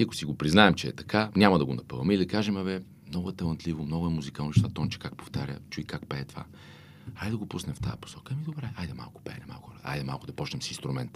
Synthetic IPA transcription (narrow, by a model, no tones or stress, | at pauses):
iɐkʊ̥siɡopɾiznaɛmt͡ʃɛɛ̰t̪ɐ̥kanʲamɐd̪ɐɡonɐpɤvɐmɛid̪ɐkaʒɛmɐvɛ | mnɔɡʊɛt̪ɐlˠɐnt̪lʲivʊmnɔɡʊɛmuzikalnot͡ʃɛ̥st̪vat̪ɔnt͡ʃɛ̥kakpoft̪aɾʲə̰t͡ʃuikakpɛːt̪ova̰ | ajd̪ɐɡopusnɛft̪a̰jpo̥sɔkəɛmid̪obɾɛajd̪ɛma̰lˠkʊ̥pɛ̰ːnɛma̰lˠkɾa̰jd̪ɛma̰lˠkʊd̪ɐpɔt͡ʃnɛmsinst̪ɾumɛnt̪